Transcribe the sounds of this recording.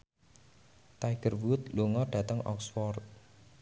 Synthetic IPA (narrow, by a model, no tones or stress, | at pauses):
t̪ajɡ̥ərwut̪̚luŋɔɖ̥ä̤t̪əŋɔ̰ksfɔrt̪̚